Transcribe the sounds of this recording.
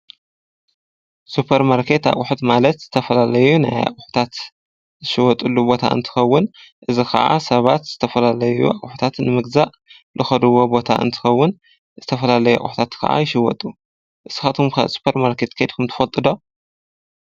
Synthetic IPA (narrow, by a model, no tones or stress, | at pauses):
supʰeɾmaɾkʰe̞t̪a̰kʼʊħut̪malɐt̪z̥ɨt̪ʰɐfɐlalɐjuna̰ja̰kʼʊħu̥t̪ʰat̪ | zɨʃɪwɔt̪ʼulːubot̪ʰa̰ʔɨ̰nt̪ʰɨ̥xɐwːʊnʔɨzixɐ̰ʔa̰sɐβat̪z̥ɨt̪ʰɐfɐlalɐjṵʔaʊħu̥t̪ʰat̪nɨmɨɡzaʔ | lɨxɐd̪uwobo̞t̪ʰa̰ʔɨ̰nt̪ʰɨ̥xɐwːʊn | zɨt̪ʰɐfɐlalɐjua̰kʼʊħu̥t̪ʰat̪kʰɐ̰ʔa̰jɪʃɪwɔ̰t̪ʼu | ʔɨsɨxat̪ʰumkʰa̰su̥pʰeɾmaɾkʰe̞t̪kʰed̪kʰɨmt̪ʰɨ̥fɐlt̪ʼɨd̪o̞